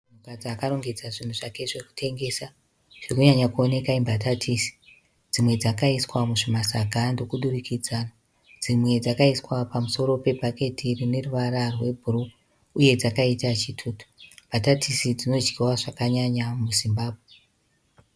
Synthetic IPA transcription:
unukad͡ziakaɾo̞ŋɡe̞d͡zaʐin̤uʐake̞ʐe̞ku̥tʰe̞ŋɡe̞sa | ʐ̥ekuɲaɲakuone̞kaimbatatʰisi̥ | d͡zimwe̞d͡zakaiswamuʐimasaɡʱando̞kuɗurikid͡zaːna | d͡zimwe̞d͡zakaiswapamuso̞ɾo̞pe̞bʱake̞tirine̞ruʋaɾarwe̞bʱuru | uje̞d͡zakaitat͡ʃitʰuːto̥mbʱatatʰisid͡zino̞d͡ʒɡiwaʐakaɲaɲamuzimbaːbʱwe

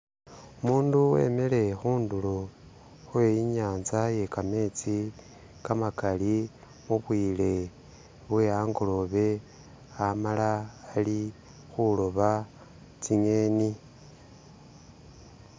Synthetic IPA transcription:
umuːnduwe̞̰mele̞xuːndulo | xwe̞iɲaːnzaje̞kame̞ːt͡si | kamakali | muβwiːle̞ | βweaŋɡo̞lo̞βe̞ | amalaːli | xulo̞βa | t͡siɲe̞ːni

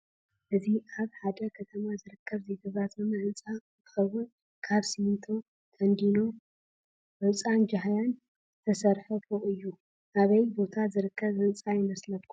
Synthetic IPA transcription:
ʔɨziʔaβħad̪ɐkʰɐt̪ʰɐmazɨɾɨkʰːɐβzeɡ̪ɐβat̪ʰɐmɐʔɨnt͡sʼa | zʰɨ̥xɐwːʊn | kʰaβsimɨnt̪ʰo̞ | t̪ʰɐnd̪ino̞ | ʕɨt͡sʼand͡ʒaɦajan | zɨt̪ʰɐsɐɾħɐfʰoʔɨjːu | ʔaβɐjbo̞t̪ʰazɨɾɨkʰːɐβɨnt͡sʼajɪmɐslɐtkʰːu

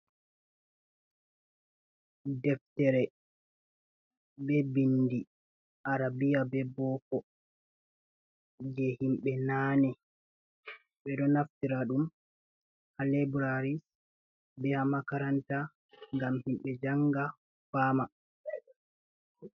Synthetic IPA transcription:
dɛftɛɾɛ | bɛbindi | ʔaɾabijabɛbɔkɔ | d͡ʒɛhimɓɛnaːnɛ | ɓɛɗɔnaftiɾaɗum | halɛbɾaɾis | bɛhamakaɾanta | ŋɡamhimɓɛd͡ʒaŋɡa | faːma

